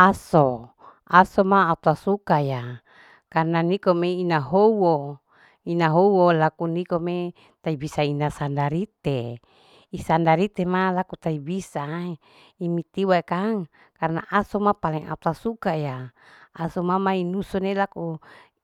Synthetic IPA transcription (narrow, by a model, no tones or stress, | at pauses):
aso | asomaːut̪asukaja | karnanikomeinaɦowo | inaɦowolakunikome | t̪aibisainasandaɾit̪e | isandaɾit̪emalakut̪aibisa | imit̪iwaekaŋ | karna̰ʔasomapalɛŋa̰t̪asukajaː | somamainusonelaku